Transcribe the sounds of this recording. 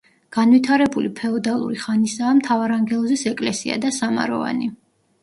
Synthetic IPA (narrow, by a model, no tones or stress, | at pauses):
ɡ̥anvit̪ʰaɾɛbulipʰɛɔd̪alˠṵɾiχanisaːmt̪ʰavaɾaŋɡɛlˠɔzisɛkʼlɛsia̰d̪asama̰ɾɔ̰va̰ni